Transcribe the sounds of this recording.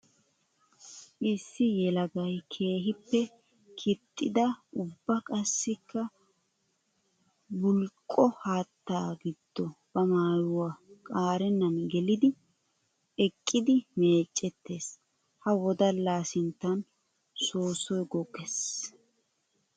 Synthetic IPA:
ʔɪsːɪjɛlɐɡɐjkʰe̞ːɦɪpːɛ | kʰɪt̪ʼːɪ̰d̪ɐʔʊbːɐkʼɐsːɪkʰːɐ | bʊlkʼːɔhaːt̪ːaːɡɪd̪̥ːɔb̥ɐmaːjʊwakʼaːɾɛnːɐnɡɛlɪd̪ɪ | ɛkʼːɪd̪ɪme̞ːt͡ʃʼːɛt̪ːe̞ːs | hɐwɔd̪ɐlaːsɪnt̪ːɐn | soːsɔjɡɔkʼːɛs

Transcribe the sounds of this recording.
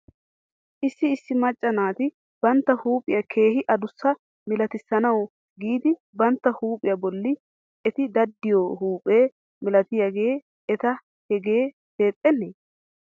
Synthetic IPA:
ʔɪsːɪːsːɪmɐt͡ʃʼːɐnaːt̪ɪ | b̥ɐnt̪ːɐhuːpʼɪjɐkʰe̞ːhɪʔɐd̪ʊsːɐ | mɪlɐt̪ɪsːɐnɐw | ɡiːd̪ɪ | bɐnt̪ːɐhuːpʼɪjɐbɔlːɪ | ɛt̪ɪd̪ɐd̪ːɪjohuːpʼe̞ː | mɪlɐt̪ɪjaɡe̞ː | ɛt̪ɐ | hɛɡe̞ː | he̞ːt̪ʼːɛnːeː

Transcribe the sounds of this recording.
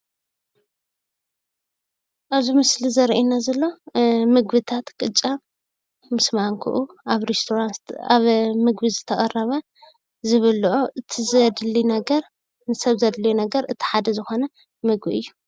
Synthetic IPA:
ʔaβzimɨslizɐɾʔinazɐlːo̞mɨɡβɨt̪ʰat̪kʼɨt͡ʃʼa | mɨsmaŋkʰṵʔuʔaβɾest̪ʰoɾant̪aβmɨɡbizɨt̪ʰɐkʼɐrːɐβɐ | zɨβɨlʔoʔɨt̪ʰizɐd̪linɐɡɐɾ | nɨsɐβzɐd̪lɐjunɐɡɐɾɨt̪ʰi̥ħad̪ɐzɨxo̞nɐ | mɨɡbiɨ̰jːu

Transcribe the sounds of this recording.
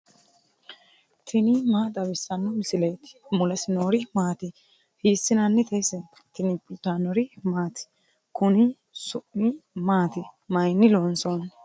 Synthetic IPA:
t̪ʰɪnɪmaːd̪ɐβɪsːɐnːɔmɪsɪleːt̪ɪ̥mʊlɐsɪnoːɾɪmaːt̪ɪ | hiːsːɪnɐnːɛt̪ɛjsɛ | t̪ɪnɪt̪anɔɾɪmaːt̪ɪ̥ | kʊnɪ | sʊʔːɪmaːt̪ɪmɐjnːɪloːnson

